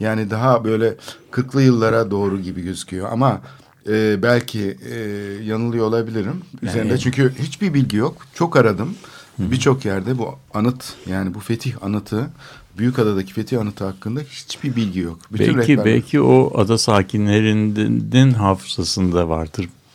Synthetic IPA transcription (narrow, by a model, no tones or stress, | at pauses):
jaːnid̪aɦabø̞jlʲɛkʰɯɾklˠɯjɯlˠːaɾad̪o̞ːɾuɟibiɟøzycʰyjo̞ʔa̰ma | ɛːbælʲcʰi | janɯlˠɯjo̞ːlˠabilʲiɾimyze̞ɾind̪ɛt͡ʃʰyɲcʰyhit͡ʃbiɾbilʲɟijo̞kt͡ʃʰo̞kaɾad̪ɯm | bit͡ʃʰo̞kjæɾd̪ɛbuanɯt̪jaːnibufe̞t̪ʰiça̰nɯt̪ʰɯ | byjycad̪ad̪acʰi̥fe̞t̪ʰihanɯt̪ʰɯhakːɯnd̪ahi̥t͡ʃbiɾbilʲɟijo̞kbiyt̪ɛ̰ɾɛibɛ̰lʲcʰioad̪asaːcʰinlʲeɾind̪inɦaːfɯzasɯnd̪ava̰ɾd̪ɯɾ